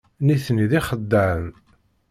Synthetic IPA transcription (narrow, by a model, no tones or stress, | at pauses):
niθniðiχəd̪ːəəm